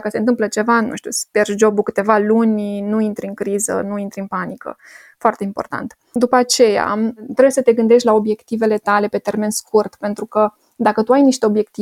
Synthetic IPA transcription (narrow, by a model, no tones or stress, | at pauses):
kəse̞ɨnt̪ɨmplət͡ʃe̞vanṵʃt̪jusperʃd͡ʒo̞bukɨt̪e̞valunʲnuint̪ɾʲiɨŋkɾizə̰nuint̪ɾʲiɨnpanikə̰ | foart̪e̞impo̞̰rt̪a̰nt̪ | d̪upəat͡ʃe̞ja̰t̪ɾebjesət̪e̞ɡɨnd̪e̞ʃt̪ʲlao̞bje̞kt̪ive̞le̞t̪ale̞pe̞t̪e̞rme̞nskurt̪pe̞nt̪ɾukə | d̪akət̪uajniʃt̪eo̞bje̞kt̪i